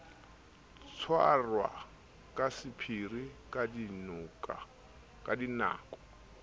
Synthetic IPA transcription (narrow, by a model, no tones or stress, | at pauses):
t͡sʰwa̰rwa̰ | kʼasipʰirikʼadinukʼa | kʼadina̰ːkʼɔ̥